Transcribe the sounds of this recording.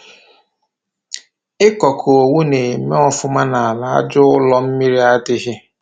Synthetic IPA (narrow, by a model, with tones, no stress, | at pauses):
ɪ˦kɔ˨kʰʊ˨o˨wu˦ne˨me˦ɔ˦fʊ˦ma˦na˨a˨la˨a̰˦d͡ʒʊ˦ʊ˦lɔ˦m̩˦mi˦ɾi˦a˦dɪ˦ɦɪ˦